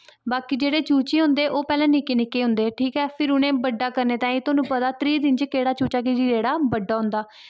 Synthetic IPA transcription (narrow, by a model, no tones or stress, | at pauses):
baːkiːd͡ʒeːɽeːt͡ʃuːt͡ʃeːɦʊ̃nd̪eːʔoːpɛːlɛ̃ːnɪkeːnɪkːeːɦʊ̃nd̪eːʈʰiːkɦɛːpʰɪɾʊnẽːbəɖːaːkəɾneːt̪ãːĩːt̪ʊaːnũːpət̪aːt̪ɾiːd̪ɪnd͡ʒkeːɽaːt͡ʃuːt͡ʃaːk̬id͡ʒiːɾeːɽaːbəɖːaːɦʊ̃nd̪aː